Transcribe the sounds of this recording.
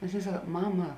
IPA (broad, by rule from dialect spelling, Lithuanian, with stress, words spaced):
nʲɛs ˈɑːˌnʲeːɪ ˈsɐk ˈmɑːmɐ